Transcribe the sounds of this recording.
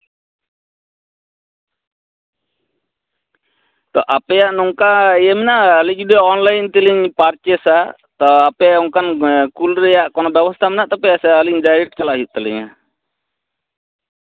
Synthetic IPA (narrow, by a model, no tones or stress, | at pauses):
t̪ɔʔapɛjaʔnɔŋkaijɛmɛnaʔlid͡ʒudɛɔnlaint̪iliɲpart͡ʃɛsa | t̪ɔapɛɔŋkankulɾɛjaʔkɔnɔbɛwast̪amɛnaʔt̪apɛjasaliŋd͡ʒaɾit͡ʃalaʔɦuʔt̪ɛlḭɲa